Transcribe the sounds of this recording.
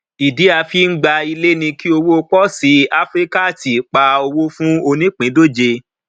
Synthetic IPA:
i˨di˨˦a˧fi˦ŋ̩˦ɡ͡ba˧i˧le˦nĩ˧ki˦o˧wo˦o˧k͡pɔ˦si˨˦a˦fɾi˦ka˦˨ti˨k͡pa˧o˧wo˦fũ˦o˧nĩ˦k͡pĩ˨˦do˦˨d͡ʒe˧

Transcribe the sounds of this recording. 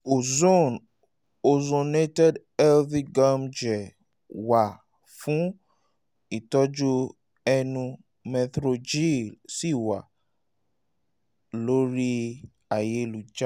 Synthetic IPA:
o˨zo˦˨n | o˨zo˧ne˦tɛ˦d | ɛ˦lvi˦ɡã˦md͡ʒɛ˨ | wa˨ | fũ˨˦ | i˦˨tɔ˦d͡ʒu˦ | ɛ˧nũ˧ | mɛ˧t̪ɾo˧d͡ʒi˦˨lsi˦˨wa˨ | lo˦ɾi˦ | a˨je˦lu˨d͡ʒa˦

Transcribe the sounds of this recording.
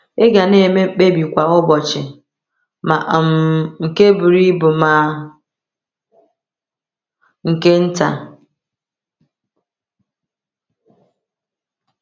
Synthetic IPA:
e˦ɡa˨ne˦˨me˦m̩˦k͡pe˦bi˨kʷa˨ʊ˦bɔ˨t͡ʃɪ˨ | ma̰˨m˨ŋ̩˨ke˦bʊ˨ɾi˦bʊ˨ma˨ | ŋ̩˨ke˦n̩˦ta̰˨

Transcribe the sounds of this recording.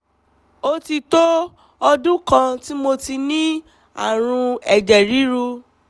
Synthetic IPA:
o˧ti˧to˦ | ɔ˧dũ˦kã˧ti˦mo˧ti˧nĩ˦ | a̰˦˨ɾ̃ũ˧ɛ˨d͡ʒɛ˨ɾi˨˦ɾu˧

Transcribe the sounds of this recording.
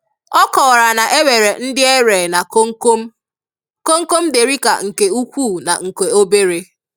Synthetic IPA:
ɔ˦kɔ˨ɾa˨na˨ʔe˦we˨ɾe˨n̩˦dɪ˦e˦ɾe˨na˨ko˦ŋ̩˦ko˦m̩˦ | ko˦ŋ̩˦ko˦m̩˦de˨ɾi˦ka̰˨ŋ̩˨ke˨u˦kʷu˦˨na̰˨ŋ̩˨ke˨o˦be˦ɾe˦

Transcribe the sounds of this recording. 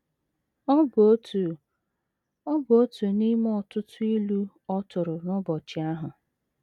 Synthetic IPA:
ɔ˦bo˦tu˨ | ɔ˦bo˦tu˨ni˦m˦ɔ˦tʊ˦tʊ˦i˦lu˦ | ɔ˦tʊ˨ɾʊ˨nɔ˦bɔ˨t͡ʃɪ˨a˦ɦʊ˨

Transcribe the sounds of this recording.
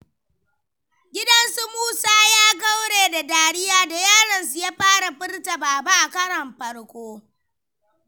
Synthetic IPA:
ɡʲɪ˦dɐ˦nsu˦muː˦saː˦jaː˦ɡɐ˦wɽeː˨da˨daː˨ɽɪ˦jaː˨da˨jaː˦ɽɐ˨nsu˨jaː˦ɸaː˦ɽa˨ɸɪ˦rta˨baː˨ba˦ʔa˨kɐ˦ɽɐ˨mɸɐ˨ɽkʷʼoː˦

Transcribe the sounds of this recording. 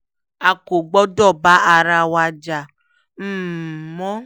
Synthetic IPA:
a˨ko˨ɡ͡bɔ˦dɔ˦˨ba˦a˧ɾa˧wa˧d͡ʒa˨ | m̩ː˦˨mɔ˦

